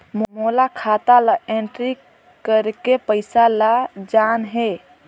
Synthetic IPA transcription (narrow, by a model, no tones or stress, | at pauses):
mmolakʰat̪alaʔeɳʈɾi | kəɾkepəɪsalad͡ʒanɦe